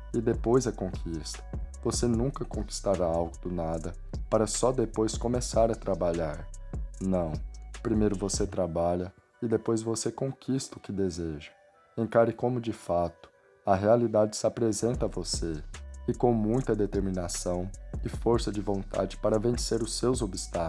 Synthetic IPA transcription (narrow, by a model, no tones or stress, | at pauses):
ɪd̪epojzɐkõkʰist̪ɐ̥vosenũkɐkõki̥st̪aɾaawɡʊd̪ʊnad̪ɐ | paɾɐsɔd̪epojskõmesaɾɐt̪ɾabaʎaɾnɐ̃w̃pɾimejɾʊvoset̪ɾabaʎɐ | ɪd̪epojzvosekõkʰist̪ɐʊkɪd̪ezeʒɐ̥ | ẽkaɾɪkõmʊd͡ʒɪfat̪ʊ̥ | ɐɦealid̪ad͡ʒɪ̥sɪapɾezẽnt̪ɐvoseɪkõw̃mũj̃t̪ɐd̪et̪eɾmĩnasɐ̃w̃ɪfoɾsɐd͡ʒɪvõnt̪a̰d͡ʒɪpaɾɐvẽseɾʊsːewzobist̪a